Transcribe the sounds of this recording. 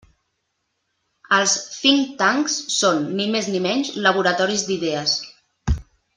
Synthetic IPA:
əlˠsfiŋt̪aŋksːonːimeznimɛɲzləβ̞uɾət̪ɔɾizd̪iðeəs

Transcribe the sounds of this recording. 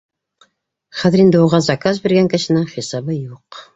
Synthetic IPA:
χæðɘɾind̪ɪuʁɑzɑkazbeɾɡæŋkɘ̆ʃɘ̆nɘŋχisɑbɤjuq

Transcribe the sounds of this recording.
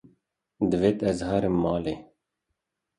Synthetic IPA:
d̪əveːt̪ɛzhɑːɾəmːɑːleː

